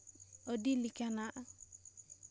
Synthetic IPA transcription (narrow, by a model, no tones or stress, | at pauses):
ɔdilikanaʔ